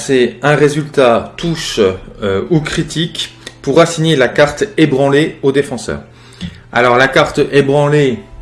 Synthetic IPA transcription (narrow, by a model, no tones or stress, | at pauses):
sɛɛ̃ʁezylt̪at̪uʃ | ukχit̪ʰikpuʁasiɲelakaʁt̪ebʁɑ̃leod̪efɑ̃sœ̰ːʁ | a̰lɔʁlakaʁt̪ebʁɑ̃le